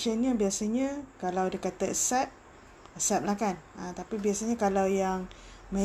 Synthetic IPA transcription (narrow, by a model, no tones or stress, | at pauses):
ənɲãbiasaɲãkalawdəkat̪aəsɛt̚ | əsɛp̚lahkanʔat̪apibiasaɲãkalawjaŋmə̃